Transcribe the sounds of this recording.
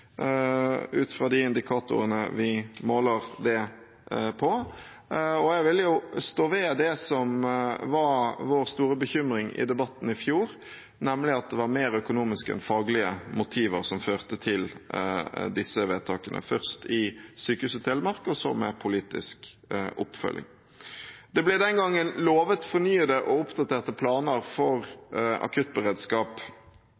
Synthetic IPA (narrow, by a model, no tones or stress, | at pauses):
ʉːt̪fɾɑd̪ɪɪnd̪ɪkʰɑːt̪ʊ̰ɾənəʋɪmoːləɾd̪ɛ | pʰɔ | ɔjɛɡʋɪljʊst̪oːʋeːd̪ɛsɔmʋɑɾʋoːɾst̪uːɾəbəçʏmɾɪŋɪ̰d̪ɛbɑt̪ːn̩ɪfjuːɾ | nɛmlɪɑt̪̚d̪ɛʋɑɾmeːɾœkʊnuːmɪskəɛ̰nfɑːɡlɪəmʊt̪ʰiːʋəɾsɔmføːʁt̪ət̪ʰɪl | d̪ɪsːəʋeːt̪ʰɑːkənʔə̰fœʁst̪ɪsyːkəhʉːsət̪ʰɛləmɑɾkəɔsɔ̰mɛ̰pʰʊliːt̪ɪ̰sk | ʔʊ̰pːfœ̰lʔɪ̰ŋ | d̪ɛblɛd̪ɛnɡɑŋːənloːʋət̪fɔɾnyːəd̪əʔɔʊpd̪ɑt̪ʰeːʁt̪əpʰlɑːnəɾfɔɾɑ̰kʰʉt̪̚bəʁeːd̪skɑːp